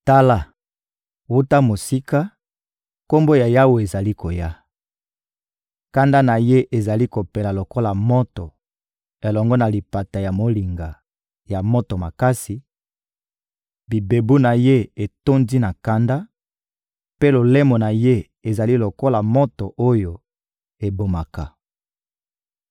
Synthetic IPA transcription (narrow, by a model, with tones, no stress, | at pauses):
ta˦la˦ | wu˦ta˦mo˨si˦ka˦ | ko˦mbo˦ja˨ja˦we˨e˨za˨li˦ko˨ja˦ | ka˦nda˦na˨je˦ʔe˨za˨li˦ko˨pe˨la˨lo˨ko˦la˨mo˦tɔ˨ | e˨lɔ˨ŋɡɔ˦na˨li˨pa˨ta˨ja˨mo˨li˨ŋɡa˨ | ja˨mo˦to˨ma˨ka˦si˨ | bi˨be˨bu˦na˨je˦e˨to˦ndi˦na˨ka˦nda˦ | pe˦lo˨le˦mɔ˨na˨je˦ | e˨za˨li˦lo˨ko˦la˨mo˦tɔ˨ʔo˦jo˨ | e˨bo˨ma˨ka˨